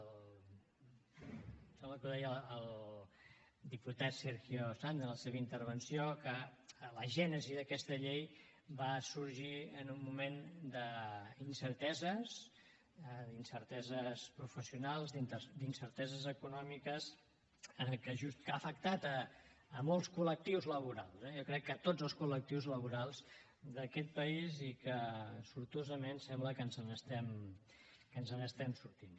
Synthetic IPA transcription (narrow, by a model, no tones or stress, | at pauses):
l | sɛmləkuðɛjəːlˠ | d̪iput̪at̪seɾɣjosand̪ələseβəint̪əɾβ̞ənsiokələʒɛnəziðəkɛst̪əʎej | basuɾʒiənumːumend̪əinsəɾt̪ɛzəs | d̪insəɾt̪ɛzəspɾufəsiunalˠzd̪int̪əd̪insəɾt̪ɛzəzəkunɔmikəz | ənlˠkəʒust̪kafəkt̪at̪əːmɔlˠskulək̚t̪iwzləβ̞uɾa̰lˠzɛjɔkɾɛkːət̪odd͡zzəlˠskulək̚t̪iwzləβuɾalˠz | d̪əkɛt̪̚pəizikəsuɾt̪ozəmensɛmbləkənzənəst̪ɛm | kənzənəst̪ɛmsuɾt̪in